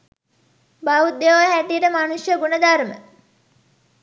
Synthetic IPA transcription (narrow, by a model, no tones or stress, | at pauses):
baud̪ːeʋohæʈ̪ijəʈəmanusjəɡunəd̪aɾmə̰